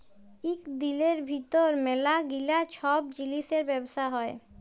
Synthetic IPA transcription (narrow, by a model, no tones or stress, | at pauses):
ikd̪ileɾbʱit̪oɾmelaɡilat͡ɕʰɔbd͡ʑiliʃeɾbɛbosaɦɔe